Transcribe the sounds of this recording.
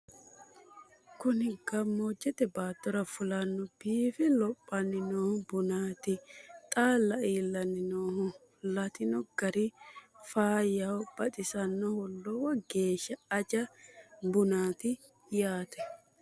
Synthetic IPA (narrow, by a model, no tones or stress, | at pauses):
kʊnɪɡɐmːoːd͡ʒːɛt̪ɛbaːt̪ːɔɾɐfʊlɐnːʊbiːfɛlɔpʼːɐnɪnoːhʊbʊnaːt̪ɪt̪ʼaːlːɐiːlːɐnɪnoːhʊ | lɐt̪ɪnɔɡ̥ɐɾɪfaːjɐwb̥ɐt̪ʼɪsɐnːɔhɔlːɔwɐɡe̞ːʃːɐːd͡ʒɐbʊnaːt̪ɪ | jaːt̪ɛ